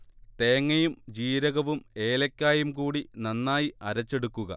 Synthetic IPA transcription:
t̪e̞ːŋːɐjumd͡ʑiːɾɐɣɐʋume̞ːlɐkʲːaːjumkuːɽinɐnːaːjiɐɾɐt͡ɕːe̞ɽukːuɣɐ̰

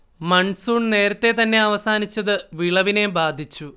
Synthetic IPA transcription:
mɐɳsuːɳne̞ːɾɐt̪ːe̞t̪ɐnːe̞ɐʋɐsaːnit͡ɕːɐðɨʋiɭɐʋinembaːd̪ʱit͡ɕːu

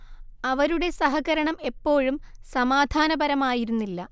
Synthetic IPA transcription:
ɐʋɐɾuɽe̞sɐɦɐɣɐɾɐɳɐme̞pːo̞ːɻumsɐmaːd̪ʱaːnɐbɐɾɐmaːjiɾunːilːɐ

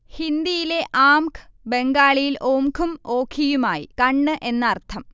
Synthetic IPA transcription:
hind̪ijile̞ʔaːmkʰɨ̥be̞ŋɡaːɭijiloːmkʰumo̞ːkʰːijumaːjikɐɳːɨʔe̞nːɐːrt̪ʰɐm

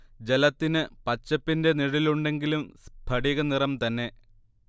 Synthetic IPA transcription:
d͡ʑe̞lɐt̪ːinɨpɐt͡ɕːɐpːinde̞niɻiluɳɖe̞ŋɡilumbʱɐɽiɣɐnirɐmt̪ɐnːe̞

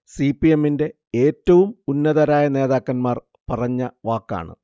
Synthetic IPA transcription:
sipːije̞mːinde̞ | eːtːɐʋumunːɐðɐɾaːjɐne̞ːðaːkːɐnmaːr | pɐrɐɲːɐʋaːkːa̰ːɳɨ̰

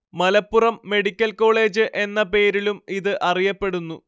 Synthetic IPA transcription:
mɐlɐpːurɐmːe̞ɽikʲːɐlko̞ːɭe̞ːd͡ʑɨʔe̞nːɐpe̞ːɾilumiðɨʔɐrijɐpːe̞ɽunːu

